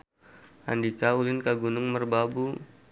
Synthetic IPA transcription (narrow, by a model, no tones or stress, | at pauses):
a̰ndikaulɪnkaɡunʊŋmərbabu